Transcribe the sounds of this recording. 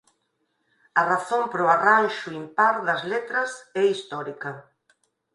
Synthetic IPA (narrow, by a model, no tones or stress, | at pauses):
ɐraθompɾoaranʃuimpaɾðɐzlet̪ɾɐsɛist̪ɔɾikɐ